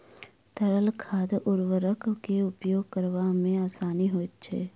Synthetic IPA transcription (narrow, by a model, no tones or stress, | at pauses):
t̪əɽəlkʰaːd̪ʔʊɾʋəɾəkkeʊpjoːɡ̚kəɾʋamẽaːsaːniɦoːɪt̪̚t͡ʃʰḛː